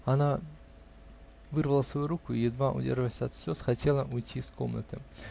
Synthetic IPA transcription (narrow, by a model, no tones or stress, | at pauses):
ana | vɨrvəlˠəsvɐjuɾukʊijɪd̪vaʔʊ̰dʲḛrʐəvəsʲɐt̪sʲɔsxatʲelˠəʔʊjtʲiskomnət̪ɨ̰